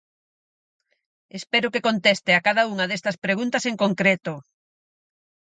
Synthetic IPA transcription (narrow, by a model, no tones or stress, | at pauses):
espeɾʊkekont̪est̪eakaðɐuŋɐðest̪ɐspɾeɣ̞unt̪ɐseŋkoŋkɾet̪o